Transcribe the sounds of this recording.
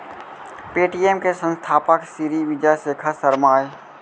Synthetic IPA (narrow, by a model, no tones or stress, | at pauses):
peːʈiːemkesə̃nst̪ʰaːpəksiːɾiʋɪd͡ʒaseːkʰasəɾmaːj